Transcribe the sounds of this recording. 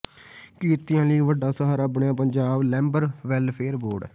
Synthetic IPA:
kiːt̪ɪjãːliːʋəɖaːsəɦaɾabɳjãːpəɲd͡ʒaːblɛ̃ːmbəɾʋɛlpʰeːɾboːɖ

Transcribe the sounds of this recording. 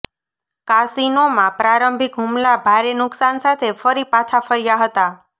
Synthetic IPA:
kasinomãpɾaɾəmbʱikɦumlabʱaɾenʊksansat̪ʰefəɾipat͡ʃʰafəɾijaɦət̪a

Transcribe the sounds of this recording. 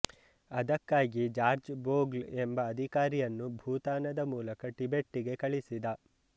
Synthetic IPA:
ɐd̪ɐkːaːɡid͡ʒaːɾd͡ʒboːɡle̞mbɐːd̪ʱikaːɾijɐnːubʱuːt̪aːnɐd̪ɐmuːlɐkɐʈibe̞ʈːiɡe̞kɐɭisid̪ɐ

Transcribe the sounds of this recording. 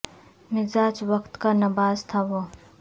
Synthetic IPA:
mɪzaːt͡ʃʋɐkt̪kanɐbaːzt̪ʰaʋoː

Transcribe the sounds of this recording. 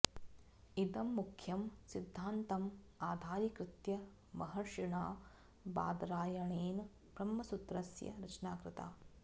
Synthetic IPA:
id̪ɐmːukʰjɐmsid̪ʱːaːnt̪ɐm | aːd̪ʱaːɾikɾɪt̪jɐ | mɐɦɐʂiɳaː | ba̰ːd̪ɾaːjɐɳeːn | bɾɐmːɐsut̪ɾɐsjɐ̰ɾɐt͡ʃnaːkɾɪt̪a̰ː

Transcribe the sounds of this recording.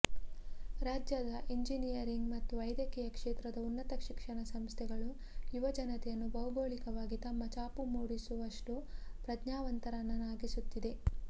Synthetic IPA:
ɾaːd͡ʒjɐd̪ɐʔiɲd͡ʒinijɐɾiŋɡmɐt̪ːuʋɐjd̪jɐkɛjɐkʂeːt̪ɾɐd̪ɐunːɐt̪ɐkʂikʂɐɳɐsɐmst̪ʰɛɡɐɭu | juʋɐd͡ʒɐnɐt̪ɛjɐnːubɐɦubʱoːɭikɐʋaːɡit̪ɐmːɐt͡ʃaːpumuːɽisuʋɐʂʈupɾɐdɲaːʋɐnt̪ɐɾɐnːɐnaːɡisut̪ːid̪e̞

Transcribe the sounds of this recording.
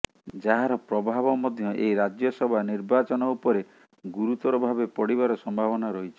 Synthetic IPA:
d͡ʒaɦaɾɔpɾɔbʱaβɔmɔd̪ʱjɔʔḛjɾad͡ʒjɔsɔbʱaniɾbat͡ʃɔnɔupɔɾe | ɡuɾut̪ɔɾɔbʱabepɔɽiβaɾɔsɔmbʱabɔnaɾɔɦit͡ʃʰi̥

